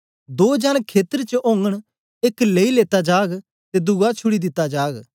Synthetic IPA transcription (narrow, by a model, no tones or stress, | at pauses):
d̪oːd͡ʒaːnkʰeːt̪əɾt͡ʃəʔõːŋɡəɽ̃ | eːkleːileːt̪ad͡ʒaːɡ | t̪ed̪ʊɡat͡ʃʰʊɽid̪ɪt̪ːad͡ʒaːɡ